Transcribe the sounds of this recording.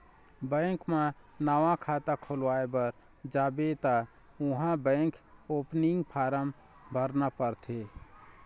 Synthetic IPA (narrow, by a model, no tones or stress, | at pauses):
bə̃ŋkmãnaʋãkʰat̪akʰolwaebəɾ | d͡ʒaːbet̪a | uɦãbə̃ɪkopniŋɡpʰaːɾəm | bʱəɾnapəɾt̪ʰe